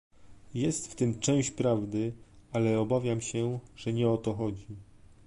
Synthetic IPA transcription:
jɛst̪ft̪ɘmt͡ʂɛ̃w̃ɕt͡ɕpɾavd̪ɘalɛɔbavʲjamɕɛʐ̥ɛɲɛɔt̪ɔxɔd͡ʑi

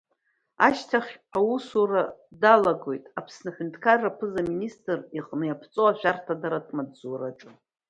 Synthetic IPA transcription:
a̰ʃtʰaχʲawusuradalaɡo̞jtʼapʰsnaħʷᶣʊntʰʼkʰarapʰɨzaministʼɨriqʼnɨjapʰt͡sʼoaʃʷᶣartʰadaɾatʼmadzuɾaʈ͡ʂʼɨ

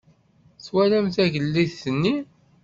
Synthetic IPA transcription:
θwælæmθæʝəlːiθːənːi

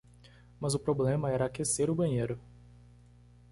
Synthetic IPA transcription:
mɐzʊpɾoblẽmɐɛɾɐakeseɾʊbɐ̃ɲejɾʊ

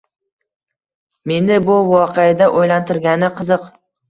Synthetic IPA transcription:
me̞nɪbʊvɒqʰead̪aʔojlant̪ʰɪɾɡʲanɪqʰɨzɨq

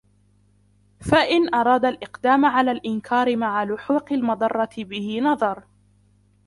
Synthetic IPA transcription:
faʔɪnʔɑɾˤɑːd̪alʔɪqd̪aːmʕalaːlʔɪnkʰɑːɾɪmaʕalʊħuːqɪlmɑd̪ˤɑrˤːɑt̪ɪbɪhɪnɑðˤɑɾˤ

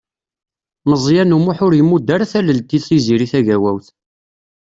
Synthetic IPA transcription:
məzˤjænumuħʊɾjəmːud̪ːæɾæθæləlt̪ːiθsiziɾiθæʝæwæwθ

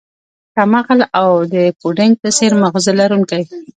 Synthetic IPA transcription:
kamaɣalawd̪əpuɖɪŋɡ̚t̪əseɾmaɣzəlaɾuŋkaj

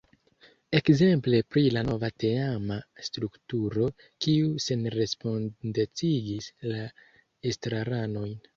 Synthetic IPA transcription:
e̞kze̞mple̞pɾilano̞vateamastɾuktuɾo̞ | kiuse̞nɾe̞spo̞ndet͡siɡisla | estɾaɾano̞jn

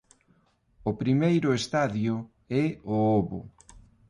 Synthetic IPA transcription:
ʊpɾimejɾʊest̪aðjʊ | ɛooβʊ̰

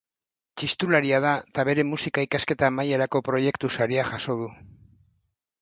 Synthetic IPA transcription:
t͡ʃist̪ulaɾiað̞at̪aβe̞ɾe̞musikaikaske̞t̪aːmajeɾako̞pɾo̞je̞kt̪usaɾiaxaso̞ðu

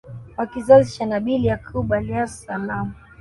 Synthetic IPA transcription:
wakizaziʃanaɓiliakʰuɓaliasanamu

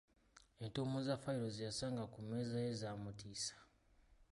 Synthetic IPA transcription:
entoːmuzafaiɾo̞zijasaːŋɡakumeːzajezaːmutiːsḁ

